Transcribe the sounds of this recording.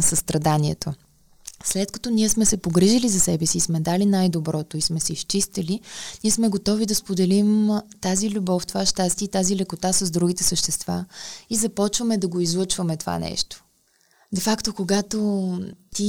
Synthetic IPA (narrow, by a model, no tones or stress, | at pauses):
səst̪ɾɐd̪aniɛ̰t̪o | slɛt̪kɐ̥t̪ɔniɛsmɛsɛpoɡɾiʒilizɐsɛbɛsiːsmɛd̪alinajd̪obɾɔt̪oismɛsɛiʃt͡ʃist̪əliniɛsmɛɡot̪ɔvid̪ɐspod̪ɛlimt̪azilʲubɔft̪ovaʃt̪ast̪ʲiit̪azilɛkot̪asɐzd̪ɾuɡʲit̪ɛsəʃt̪ɛst̪va̰izɐpɔt͡ʃvəmɛd̪ɐɡoizlˠɤt͡ʃvɐmɛt̪ova̰nɛ̰ʃt̪o̥ | d̪ɛfakt̪okoɡat̪ot̪i